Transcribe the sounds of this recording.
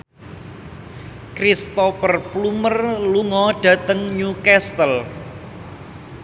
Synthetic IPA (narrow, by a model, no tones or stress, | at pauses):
kɾist̪ɔfərplumərluŋɔɖ̥ä̤t̪əŋɲukɛst̪əl